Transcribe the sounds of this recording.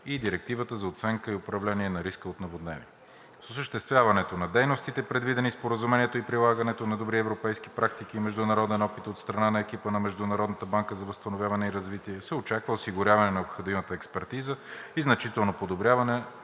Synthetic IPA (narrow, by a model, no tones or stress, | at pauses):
id̪iɾɛk̚t̪ivət̪əzɐot̪sɛŋkəiopɾɐvlɛniɛnɐɾiskəot̪nɐvod̪nɛ̰vḭ | sosəʃt̪ɛst̪vʲjavɐnɛt̪onɐd̪ɛjnost̪it̪ɛpɾɛd̪vid̪ɛnispoɾəzumɛniɛt̪oipɾilˠaɡənɛt̪onɐd̪obɾiɛvɾopɛjski̥pɾakt̪ikimɛʒd̪ʊnɐɾɔd̪ɛnɔpit̪ot̪st̪ɾɐnanɐɛkipənɐmɛʒd̪ʊnɐɾɔd̪nət̪əbaŋkəzɐvəst̪ɐnovʲjavɐnɛiɾɐzvit̪iɛsɛot͡ʃakvəʊsiɡʊɾjavɐnɛnɐopxod̪imət̪əɛkspɛɾt̪izəiznɐt͡ʃit̪ɛlˠnopod̪obɾʲjavɐnɛ